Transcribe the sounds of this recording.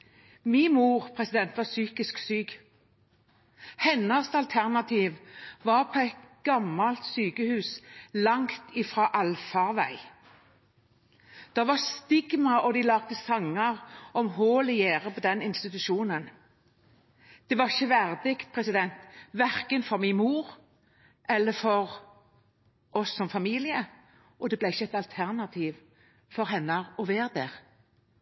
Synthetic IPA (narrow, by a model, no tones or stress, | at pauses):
miːmuːʁpʰʁɛsɪd̪ɛnt̪ʋɑsyːkɪsksyːɡ | hɛnːɑst̪ɑlt̪ʰæʁnɑt̪ʰiːʋʋɑːʁpʰɔɛt̪ɡ̥ɑmːɑlt̪syːkəhʉːslɑŋt̪iːfʁɑːʔɑlfɑʋæɪ | d̪̥ɑʋɑʁst̪ɪɡmɑʔɔd̪ɪlɑːɡ̥̚t̪əsɑŋːɑʁɔmhoːlɪjeːʁəpʰɔd̪ɛnɪnst̪ɪt̪ʉʃuːnən | d̪̥ɛʋɑʁɪçəʋæʁd̪ɪkt̪̚pʰʁɛsɪd̪ɛnt̪ʋæʁkənfɔʁmɪmuːʁ | ʔɛlːəfɔʁ | ʔɔsːɔmfɑmiːlɪə | ʔɔd̪ɛblɛɪçːəɛt̪ɑlt̪ʰæʁnɑt̪ʰiːʋ | fɔɾɦɛnːɑʁɔʋeːʁd̪eːʁ